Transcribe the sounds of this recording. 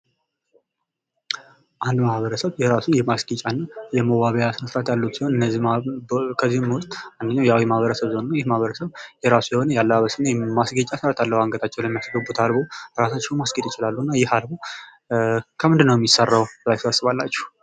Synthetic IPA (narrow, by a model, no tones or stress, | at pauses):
ʔand̪mahβəɾəsəβjɛɾasujɪhmasɡit͡ʃʼanːajɛməwaβəjasnəsɨɾat̪jalːut̪siho̞nɨnːəzːi | kʰəzːihɨmwʊst̪ʼmand̪əɲːawjawiɛmahβəɾəsəβzonnːajɪhmahβəɾəsəβjɛɾasujɛho̞nəjalːəaβəsɨnːəmasɡit͡ʃʼasɨɾat̪jalːəhwaŋɡət̪ʰat͡ʃːɛwləmːijasɡəbːut̪ʰalboɾasat͡ʃːɛwmasɡed̪ɪt͡ʃɪlalːuɨnːajɪhalbo | kʰəmɨnd̪ɨnːəwjɛmjisarːawbəlajsasːɨβalːat͡ʃːɛ̥h